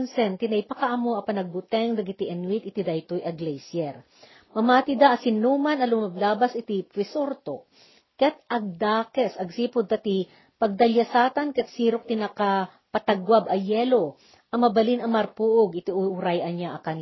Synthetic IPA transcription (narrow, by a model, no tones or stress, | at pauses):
nsɛnt̪ɪnɐjpɐkɐʔɐmoʔɐpɐnɐɡ̚bʊt̪ɛŋd̪ɐɡɪt̪iʔɛnwit̪ɪt̪id̪ajt̪ojʔɐɡlɛjsjɛɾ | mɐmaːt̪ɪd̪aʔɐsɪnuːmɐnɐlʊmablaːbɐsɪt̪ipwɪsoɾt̪o | kɛt̪̚ʔɐɡ̚d̪aːkɛsɐɡsiːpʊd̪̚kɐt̪i | pɐɡ̚d̪ɐljɐsaːt̪ɐnkɛt̪̚siːɾok̚t̪ɪnaka | pɐt̪ɐɡwabɐjɛːlo̞ | ʔɐmɐbɐlinɐmɐɾpuʔoɡʔɪt̪iʊʊɾajɐnaʔɐkɐn